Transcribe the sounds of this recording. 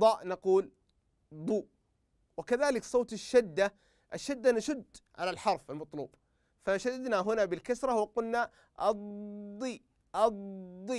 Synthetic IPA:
ɑːʔnɑquːl | d̪ˤuːʔ | wɪkaðaːlɪksˤoːt̪ɪʃːɪd̪ːa | ʔɪʃːad̪ːanaʃʊd̪ʕa̰lalħɑɾˤfalmɑt̪ˤlṵːb̥ | faʃad̪ad̪naɦʊnabɪlkasɾˤɑwɪqʊlna | ʔɑd̪ˤiː | ʔɑd̪ˤːi

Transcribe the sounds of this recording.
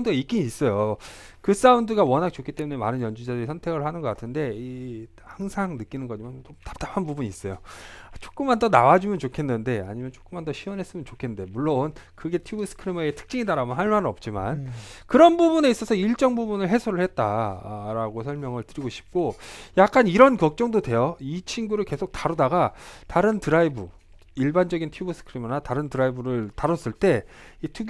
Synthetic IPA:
ndɯɡaik͈iɲiːs͈ʌjo | kɯs͈aundɯɡawʌnak̚t͡ɕ͈ok͈ʰit͈e̞mune̞manɯnjʌnd͡ʑud͡ʑadɯɾisʰʌntʰe̞ɡɯɭhanɯnɡʌk͈atʰɯnde̞i | haŋsʰaŋnɯk͈inɯnɡʌd͡ʑimant͡ɕomtḁpt͈apʰanbubuɲiːs͈ʌjot͡ɕ͈o̥k͈ɯmːandʌnawad͡ʑumjʌnt͡ɕokʰe̞nːɯnde̞a̰ɲimjʌnt͡ɕ͈o̥k͈ɯmːandʌɕʰiwʌnɦe̞s͈ɯmjʌnt͡ɕokʰe̞nde̞muɭːonkɯɡe̞tʰjuɡus͈ʰɯ̥kʰɯɾimeetʰɯ̥k̚t͡ɕ͈iŋidaɾamʌnɦaɭmanɯnʌp̚t͡ɕ͈ima̰nkɯɾʌnbubune̞is͈ʌsʰʌiɭt͡ɕ͈ʌŋbubunɯɭɦe̞sʰoɾɯɭhe̞t̚t͈a̰ɾaɡosʰʌɭmjʌŋɯɭtɯɾiɡoɕʰi̥p̚k͈ojak̚k͈aniɾʌnkʌk̚t͡ɕ͈ʌŋdodwe̞jʌit͡ɕʰinɡuɾɯɭke̞sʰok̚taɾodaɡataɾɯntɯɾaibu | iɭband͡ʑʌɡintʰjubus͈ʰɯ̥kʰɯɾimʌnataɾɯntɯɾaibuɾɯɭtaɾʌs͈ɯɭt͈e̞itʰu

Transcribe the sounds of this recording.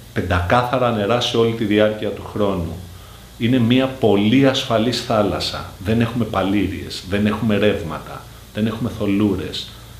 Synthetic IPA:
pe̞nd̪ɐkɐθɐɾɐːne̞ɾɐseo̞lit̪iðiɐɾciɐt̪uxɾo̞nu | ine̞miɐpo̞liɐsfɐlisθɐlɐsɐ̰ðe̞ne̞xume̞pɐliɾḭe̞̰sðe̞ne̞xume̞ɾe̞vmɐ̰t̪ɐ̰ | ðe̞ne̞xume̞θo̞luɾe̞s

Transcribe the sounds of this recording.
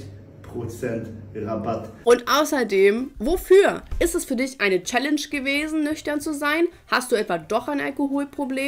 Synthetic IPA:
pʁ̥ot͡sɛntʁabatʔʊntʔaʊsɐdeːmvofyːɐʔɪstɛsfyːɐdɪçʔaɪnət͡ʃɛlɛnʃɡ̥əveːzn̩nʏçtɐnt͡suzaɪn | hast̚d̥uːɛtv̥adɔχaɪnʔalkoɦoːlpʁ̥obleː

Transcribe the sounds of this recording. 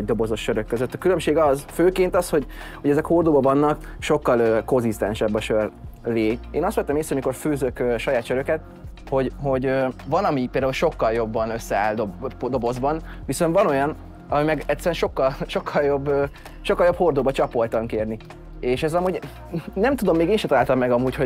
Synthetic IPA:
ɛɟ̚d̪o̞bo̞zo̞ʃːøɾøkːøzøt̪ːɒkylømʃeːɡɒzføːkeːnt̪ɒsho̞ɟ | hoɟɛzɛkho̞rd̪oːbɒvɒnːɒk | ʃo̞kːɒløko̞nzist̪ɛ̰nʃɛbːɒʃørleːeːnɒst̪ɛt̪ːɛmeːsːɛomiko̞rføːzøkøːʃɒjaːt̪ʃøɾøkɛt̪̚ | ho̞ɟɦo̞ɟøvɒnɒmipeld̪aːulʃo̞kːɒljo̞bːɒnøsːɛa̰ːld̪obd̪o̞bo̞zbɒnviso̞nt̪vɒno̞jɒn | ɒmimɛɡɛt̪sːɛɾɛnʃo̞kːɒlʃo̞kʰːɒljo̞bː | ʃokːɒljo̞pho̞rd̪oːbɒt͡ʃɒpo̞lt̪ɒŋkeːrni | eːʃɛzɒmuːɟ | nɛmt̪ud̪o̞mːeːɡeːnʃɛt̪ɒlaːlt̪ɒmːɛɡɒmuːcho

